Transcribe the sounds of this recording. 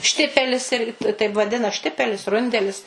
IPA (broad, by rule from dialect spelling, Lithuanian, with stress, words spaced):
ˈʃʲtʲɪpʲɛlʲɪs ˈɪrʲɡʲɪ tɐɪp ʋɐˈdʲɪnɐ ˈʃʲtʲɪpʲɛlʲɪs ˈrʊnʲdʲɛlʲɪs